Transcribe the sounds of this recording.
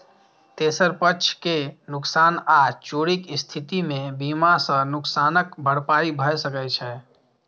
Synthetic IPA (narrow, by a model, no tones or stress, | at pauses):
t̪esəɾpət͡ʃʰkenʊksaːnat͡ʃoɽikist̪ʰit̪imebimasə̃nʊksaːnəkbʱəɽpaɾibʱəjsəkɛt͡ʃʰɛ